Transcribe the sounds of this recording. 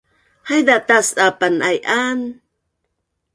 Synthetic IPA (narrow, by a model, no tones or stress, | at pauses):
hajd̪at̪asʔapanʔajʔan